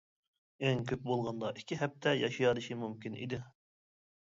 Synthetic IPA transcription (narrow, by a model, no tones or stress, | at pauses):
æŋkʲʰøp̚bolˠʁɑnd̪ɑʔikʲʰiɦɛp̚t̪ʰɛjɑʃijɑɾɨʃimumkʲinʔḭd̪ɪ